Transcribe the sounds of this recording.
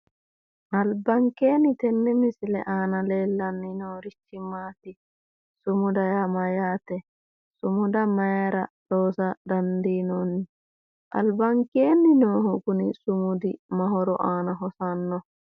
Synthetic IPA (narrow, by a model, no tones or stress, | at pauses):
ʔɐlbɐŋkːeːnːɪt̪ɛnːɛmɪsɪlɛʔaːnɐleːlːɐnːɪnoːɾɪt͡ʃːɪmaːt̪ɪ | sʊmʊd̪ɐjamɐjaːt̪ɛ | sʊmʊd̪ɐmɐjaɾɐɗoːsɐd̪ɐnd̪iːnɔnːɪ | ʔɐ̰lbɐŋkeːnːɪnoːɦɔkʊnɪ̰sʊmʊd̪ɪmɐɦɔɾɔʔaːnɐɦɔsɐnːɔ